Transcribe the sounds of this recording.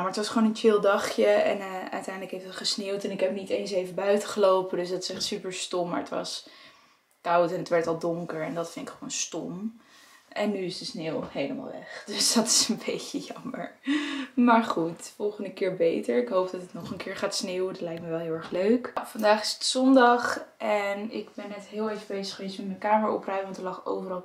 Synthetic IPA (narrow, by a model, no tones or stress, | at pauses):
jmaɹətʋɑsχʋoːnənt͡ʃɪlˠdɑχjəɛ̰nœ̰ɥtɛjndləkɦejfdɑtχəsnewtɛnɪkɦɛpnitejns̬ejvəbœɥtəχəlowpədøsdɑtɪ̥sɛχtsypəɹstɔmːa̰ɹətʋɑ̰s | kawtɛnətʋɛɹtɑlˠdʊŋkəɹɛndɑtfɪntɪkχəʋonstɔm | ʔɛnːyɪsdəsneːwhejləma̰ːlˠʋɛ̰χd̥øsd̥ɑtɪ̥sənbejcəjɑmə̰ɹ | maːɹχutfɔlˠχəndəkɪːɹbejtəɹɪkɦowp̚dɑtətnɔχənkɪːɹχaːtsneːwədɑtlɛjk̚tməʋɛlˠɦɪlˠɛɹχløɥkfɑndaːχɪ̥sə̥tsɔndɑχʔɛnɪ̰ɡbɛnːɛtɦɪːlˠejvəbejzəχəʋejstmɛtmɛnkaːməɹɔ̰prɛjəʋɑntəlɑχo̰wvərɑlˠ